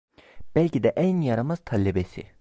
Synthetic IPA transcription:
b̥ælʲcid̪ɛʔænjaɾamaz̥t̪ʰalʲːibesḭ

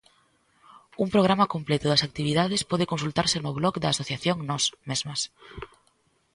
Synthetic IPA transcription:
umpɾoɣ̞ɾamɐkomplet̪ʊðɐsak̚t̪iβiðaðɪspɔðɪkõns̬ult̪aɾsɪnʊβlɔkd̪ɐːsoθjaθjoŋnɔsmezmɐs

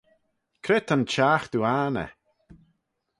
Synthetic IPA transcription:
kʰɾet̪ənt͡ʃaːxd̪̥uaːnə̰

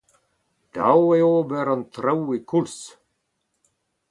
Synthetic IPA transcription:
d̪̥a̰weoːbɛɾant̪ɾawikʰuls

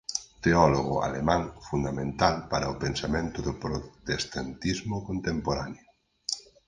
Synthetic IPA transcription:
t̪eɔloɣ̞ʊa̰lemãŋfund̪amẽnt̪alpaɾaopensamẽnt̪ʊðopɾot̪est̪ant̪izmʊkont̪empoɾano

